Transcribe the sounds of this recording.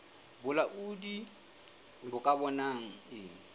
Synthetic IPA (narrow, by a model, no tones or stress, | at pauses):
bʊlaʔudi | bʊkʼabɔnaŋ̩ɪːŋ̩